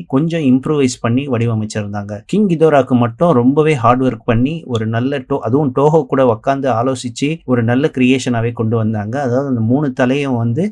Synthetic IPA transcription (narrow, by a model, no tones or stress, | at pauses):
kɔɲd͡ʒɔ̃ɪmpɾuːʋɐɪspɐɳːiʋɐɽɪʋɐmɐɪt͡ʃːɐɪɾɯnd̪aːŋɡɐkɪŋɡɪd̪oːɾaːkːɯmɐʈːʊ̃ɾɔmbɐʋeːɦaːɾɖʋɐɾkpɐɳːiɔɾɯnɐlːɐʈoːʔɐðɯʋʊ̃ʈoːɣɐːkːuːɽɐʋɐkːaːnd̪ɯaːloːsɪt͡ʃːɯɔɾɯnɐlːɐkɾɪjeːʂɐnaːʋeːkɔɳɖɯʋɐnd̪aːŋɡɐːðaːʋðɯɐnd̪ɐmuːɳɯt̪ɐlɐjɐ̃ʋɐnd̪ɯ